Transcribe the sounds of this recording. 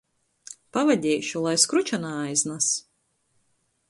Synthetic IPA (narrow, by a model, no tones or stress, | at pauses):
pavad̪ʲɛːjʃulˠajskɾut͡ʃanaːajznas